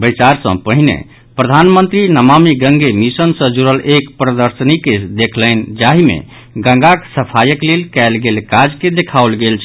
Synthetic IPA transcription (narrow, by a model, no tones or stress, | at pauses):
bəjt͡ʃaɾsə̰̃pəɦinḛ | pɾəd̪ʱanmənt̪ɾinəmamiɡə̃ŋɡemisənsə̃d͡ʒuɾəlʔekpɾəd̪əɾsəniked̪ekʰləɪnd͡ʒaɦimḛ | ɡə̃ŋɡaksəpʰajəklelkɛlɡelkad͡ʒked̪ekʰaolɡelt͡ʃʰ